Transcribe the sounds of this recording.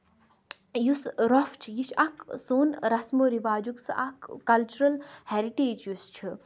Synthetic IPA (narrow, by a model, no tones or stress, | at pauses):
jusɾɔft͡ʃʰijiʃʰɐksoːnɾɐsmoɾiʋaːd͡ʒuksɨ̰ʔɐkːɐlt͡ʃuɾɐlheɾiʈeːd͡ʒjust͡ʃʰɨ